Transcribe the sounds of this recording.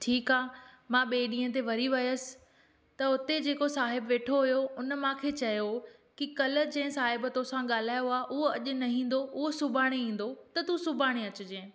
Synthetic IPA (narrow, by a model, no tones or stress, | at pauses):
ʈʰiːkaːmãɓeːɗĩːə̃t̪̬eʋɐɾiʋɐjəsɪ̥̆ | t̪ɐʊt̪ed͡ʑeːkosaːɦɪbʋeːʈʰoɦʊjoʊnəmãkʰeːt͡ɕɐjokikɐlə̆d͡ʑɐ̃ɦɪ̃saːɦɪbt̪oːsãɠaːl̤aːjoaːʔʊɦoɐʄʊ̆nɐɦĩːn̆d̪oʊɦosʊbʱaːɽ̃eĩːn̆d̪ot̪ɐt̪usʊbʱaːɽ̃eɐt͡ɕʊ̆d͡ʑẽː